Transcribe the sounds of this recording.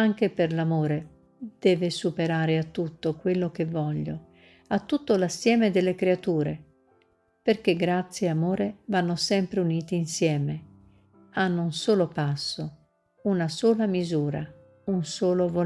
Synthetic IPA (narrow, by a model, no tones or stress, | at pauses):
aŋk̟eperlamoːɾe | d̪̥ɛːvesupeɾaːɾeat̪ːut̪ːokwelːok̟evːɔʎːo̰ | at̪ːut̪ːolasːjɛːmed̪elːekɾeat̪uːɾe | perk̟eɡɾat̪sːjeamoːɾevanːosɛmpɾeuniːt̪iinsjɛːme | anːounsoːlopasːo | unasoːlamizuːɾa | unsoːlovo